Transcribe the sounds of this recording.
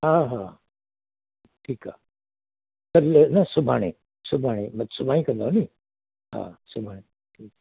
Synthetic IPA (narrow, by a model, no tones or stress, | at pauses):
ɦaːɦa | ʈʰiːka̰ː | kɐɾlnɐsʊbʱaːɽ̃ẽ | sʊbʱaːɽ̃ẽmɐt̪sʊbʱãːĩkɐnd̪aɦoni | ɦã̰ːsʊbʱaɽ̃e | ʈʰiːk